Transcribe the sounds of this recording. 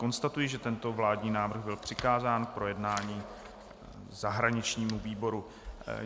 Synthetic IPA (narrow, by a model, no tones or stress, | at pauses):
ko̞nst̪at̪ujɪʒɛt̪ɛnt̪o̞vlaːdɲiːnaːvr̩ɣbɪlpr̝̥ɪkaːzaːnk̚pɾo̞jɛdnaːɲiː | zaɦɾaɲɪt͡ʃɲiːmuviːbo̞ɾu